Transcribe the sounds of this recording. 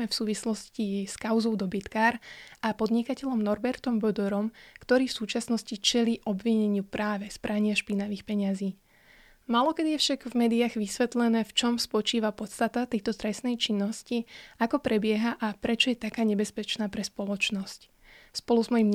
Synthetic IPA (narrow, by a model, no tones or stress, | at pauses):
ɛfsuːʋislɔsciskaʊzɔʊd̪ɔbit̪kaːɾʔapɔd̪ɲikacɛʎɔmnɔɾbɛɾt̪ɔmbɔd̪ɔɾɔmkt̪ɔɾiːfsuːt͡ʃasnɔscit͡ʃɛliːʔɔbʋiɲɛɲɪupɾʔaːʋɛspɾʔaɲɪaʃpinaʋiːxpɛɲaziː | maːlɔkɛd̪ijɛfʃaɡvmɛːd̪iaːɣʋisʋɛt̪lɛnɛːft͡ʃɔmspɔt͡ʃiːʋapɔt̪st̪at̪at̪ɛjt̪ɔt̪ɾɛsnɛjt͡ʃinːɔsciakɔpɾɛbɪɛɦaʔapɾɛt͡ʃɔjɛt̪akaːɲɛbɛspɛt͡ʃnaːpɾɛspɔlɔt͡ʃnɔsc | spɔluzmɔjimɲ